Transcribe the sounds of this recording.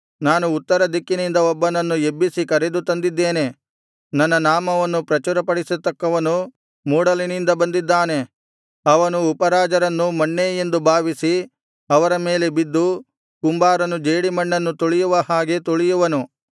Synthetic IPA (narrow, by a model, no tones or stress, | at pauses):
naːnuːt̪ːɐɾɐd̪ikːinind̪ɐɔbːɐnɐnːuebːisikɐɾe̞d̪ut̪ɐnd̪id̪ːe̞ːne̞ | nɐnːɐnaːmɐʋɐnːupɾɐt͡ʃuɾɐpɐɽisut̪ːɐkːɐʋɐnu | muːɽɐlinind̪ɐbɐnd̪id̪ːaːne̞ | ɐʋɐnuːpɐɾaːd͡ʒɐɾɐnːumɐɳːeːjend̪ubʱaːʋisi | ɐʋɐɾɐme̞ːle̞bid̪ːu | kumbaːɾɐnud͡ʒeːɽimɐɳːɐnːut̪oɭijuʋɐhaːɡe̞t̪oɭijuʋɐnu